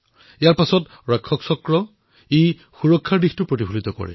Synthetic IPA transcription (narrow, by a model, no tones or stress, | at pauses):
ijaɹpasɔt | ɹɛkʰːɔksɔkɹɔ | ej | xuɹɔkʰːaɹdixtʊpɹotibʱulitɔkɔ̰ɹɛ̰